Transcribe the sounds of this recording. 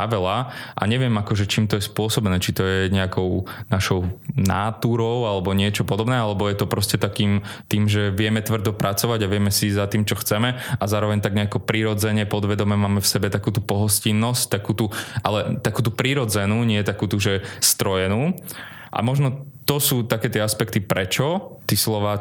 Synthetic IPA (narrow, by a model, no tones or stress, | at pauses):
aʋɛlaʔa̰ɲɛʋɪɛmakɔʒɛt͡ʃiːmt̪ɔjɛspʊɔsɔbɛnɛːt͡ʃit̪ɔjɛɲɛakɔʊnaʃɔʊna̰ːt̪uːɾɔʊalɛbɔɲɪɛt͡ʃɔpɔd̪ɔbnɛːalɛbɔjɛt̪ɔpɾɔscɛt̪akiːm | t̪iːmʒɛʋɪɛmɛt̪ʋr̩d̪ɔpɾʔat͡sɔʋaɟaʋɪɛmɛsizat̪iːmt͡ʃɔxt͡sɛmɛazaːɾɔʋɛɲt̪aɡɲɛakɔpɾiɾɔd͡zɛɲɛpɔd̪ʋɛd̪ɔmɛmaːmɛfsɛbɛt̪akuːt̪upɔɦɔscinːɔsct̪akuːt̪uʔalɛt̪akuːt̪upɾiɾɔd͡zɛnuːɲɪɛjɛt̪akuːt̪uʒɛst̪ɾɔjɛnuː | ʔa̰mɔʒnɔt̪ɔsuːt̪akɛːt̪ɪɛaspɛkt̪ipɾɛt͡ʃɔt̪islɔʋaː